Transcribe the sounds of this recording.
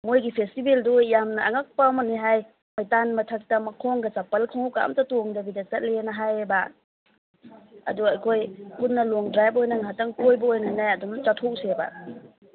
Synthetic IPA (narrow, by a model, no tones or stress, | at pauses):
mojɡipʰestibeldujamnɐːŋak̚pɐmɐniɦaj | majtanmɐtʰak̚tɐmɐkʰɔŋɡɐsapɐlkʰoŋuwka̰mtɐtoŋdɐbidɐt͡ʃɐt̚lenɐɦajba | ɐ̰duajkʰojpunːɐlɔŋdɾajbojnɐŋaɦatɐŋkojbɐojnanajɐdumt͡ʃatʰɔwseba̰